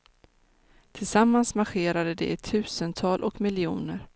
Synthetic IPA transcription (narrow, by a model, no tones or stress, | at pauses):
t̪ʰɪlsamːansmaɧeːɾad̪əd̪ɛ̰ɛt̪ʰːʉ̟ːsənt̪ʰɑːlʔɔkmɪljuːnəɾ